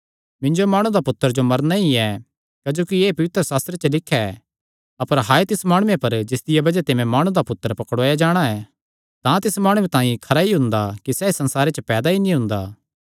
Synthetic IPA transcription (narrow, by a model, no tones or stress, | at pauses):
mɪ̃ɲd͡ʒomaːɽ̃ud̪apʊt̪ːəɾd͡ʒomɐɾnaiɛ | kɐd͡ʒoːkieːpɐʋɪt̪ɾəsaːst̪ɾet͡ʃəlɪkʰːɛ | ɐpəɾɦaːet̪ɪsmaːɽ̃ʊːẽpɐɾd͡ʒɪsd̪ɪjɛbɐd͡ʒɛt̪ɪmẽmaːɽ̃ũd̪apʊt̪ːəɾpɐkɽoːjad͡ʒaːɽ̃aɛ | t̪ãt̪ɪsmaːɽ̃uẽt̪ãːĩkʰɐɾaiɦʊ̃nd̪akisɛisɐ̃nsaːɾet͡ʃəpɛːd̪ainĩɦʊ̃nd̪aː